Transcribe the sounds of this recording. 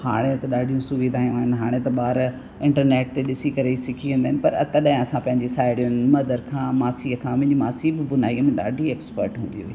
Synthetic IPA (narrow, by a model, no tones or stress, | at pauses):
ha̰ːɽ̃et̪ɐɗaːɖʱijũsʊʋiːd̪ʱaːjũaːɦɪnɪɦaːɽ̃et̪ɐɓaːɾ | ɪ̃ɳʈəɾneːʈ̚t̪eɗɪsikɐɾesɪkʰiʋẽnd̪aːɦɪnɪpɐɾɐ̰t̪ɐɗɐɦɪ̃ɐsãpɐ̃ɦɪ̃ɲd͡ʑesaːɪɽijʊ̃nmɐd̪əɾkʰãːmaːsiːəkʰãɐ̃ɦɪ̃ɲd͡ʑimaːsiːbbʊnaːiːəmẽɗa̰ːɖʱieːkspə̰ɾʈɦũːn̆d̪iɦoiː